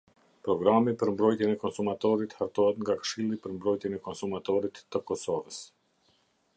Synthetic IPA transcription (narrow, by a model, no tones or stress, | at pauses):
pɾɔɡɾamipəɾmbɾɔjt̪jɛnɛkɔnsumat̪ɔɾit̪haɾt̪ɔɛt̪ŋɡakə̥ʃilˠipəɾmbɾɔjt̪jɛnɛkɔnsumat̪ɔɾit̪ːəkɔsɔvəs